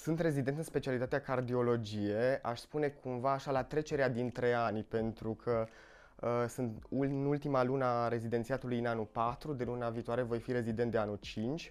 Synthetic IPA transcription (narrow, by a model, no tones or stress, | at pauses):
sɨnt̪re̞zid̪e̞nt̪ɨnspe̞t͡ʃialit̪at̪eakard̪io̞lo̞d͡ʒije̞a̰ʃspune̞kʰumvaːʃalat̪ɾe̞t͡ʃe̞ɾead̪int̪ɾe̞anʲpe̞nt̪ɾukʰə | əsɨnt̪unult̪imalunaɾe̞zid̪ent̪siat̪ulujɨnanulpat̪ɾud̪e̞lunaviːt̪oaɾe̞vo̞jfiɾe̞zid̪ent̪d̪eanult͡ʃint͡ʃʲ